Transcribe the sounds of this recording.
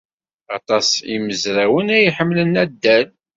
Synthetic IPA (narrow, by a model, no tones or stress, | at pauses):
ɑt̪ˤɑsḭməzɾæwənæjiħəmːlənæd̪ːæl